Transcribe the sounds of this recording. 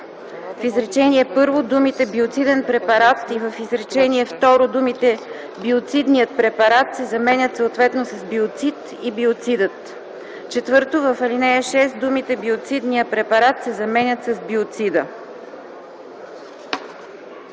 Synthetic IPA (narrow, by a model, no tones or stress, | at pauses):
fizɾɛt͡ʃɛniɛpɤɾvod̪umit̪ɛbiot̪sid̪ɛnpɾɛpɐɾat̪ivəfizɾɛt͡ʃɛniɛft̪ɔɾod̪umit̪ɛ | biot̪sid̪nijət̪̚pɾɛpɐɾat̪sɛzɐmɛnʲət̪səot̪vɛt̪nosɐzbiot̪sit̪ | ibiot̪sid̪ət̪ | t͡ʃɛt̪vɤɾt̪ovəfɐlinɛjəʃɛsd̪umit̪ɛbiot̪sid̪nijəpɾɛpɐɾat̪sɛzɐmɛnʲət̪sɐzbiot̪sid̪ə